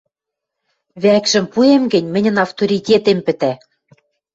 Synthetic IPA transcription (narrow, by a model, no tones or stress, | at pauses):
βækʒɘ̆mpuemɡɘ̆nʲmɘ̆nʲɘ̆nɑft̪oɾʲitʲet̪empɘ̆t̪æ